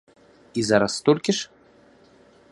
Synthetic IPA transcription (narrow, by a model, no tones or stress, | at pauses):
izaɾast̪ɔlʲkʲiʂ